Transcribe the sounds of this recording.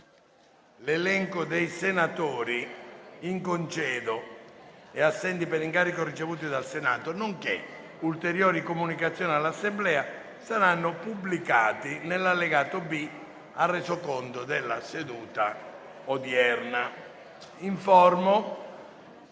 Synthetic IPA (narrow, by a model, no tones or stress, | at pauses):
lelɛŋkod̪ejsenat̪ɔːɾiiŋkont͡ʃɛːd̪o | ɛasːɛnt̪ipeɾiŋkaːɾikorit͡ʃevuːt̪id̪alsenaːt̪onoŋkḛ | ult̪eɾjoːɾikomunikat̪sːjɔːnialːasːemblɛːa | saɾanːʊpublika̰ːt̪inelːalːeɡaːt̪obi | arːɛzokɔnt̪od̪elːased̪uːt̪a̰ | od̪jɛrna | iɱfɔrmo